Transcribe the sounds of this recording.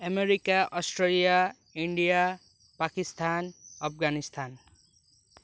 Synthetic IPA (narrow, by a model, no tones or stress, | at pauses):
əmeɾikaʔɔsʈɾelija | iɳɖija | pakist̪ʰanʌpʰɡanist̪ʰan